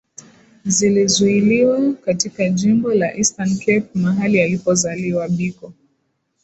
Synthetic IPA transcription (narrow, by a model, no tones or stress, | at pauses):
zilizuiliwakatikaʄimbɔlaʔistankɛp̚maɦalialipɔzaliwaɓikɔ